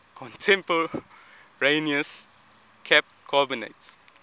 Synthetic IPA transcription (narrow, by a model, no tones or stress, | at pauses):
kʰɔ̃ntʰɛ̃mpə | ɹẽniəs | kʰɛp̚kʰɔbinḛts